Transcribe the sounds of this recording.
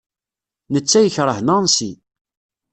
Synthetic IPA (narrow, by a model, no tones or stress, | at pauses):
nət͡sːæjəçɾˤəhnɑnsi